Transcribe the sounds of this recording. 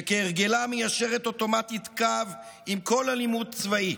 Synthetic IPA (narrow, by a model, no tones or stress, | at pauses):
keːʁɡe̞lamejaʃe̞ʁe̞t̪o̞to̞matitkavimko̞lalimud̚t͡svai